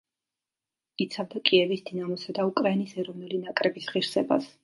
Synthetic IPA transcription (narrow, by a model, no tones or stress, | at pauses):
it̪sʰavd̪akʼiɛvisd̪inamɔsad̪aukʼɾainisɛɾɔvnulinakʼɾɛbisʁiɾsɛba̰s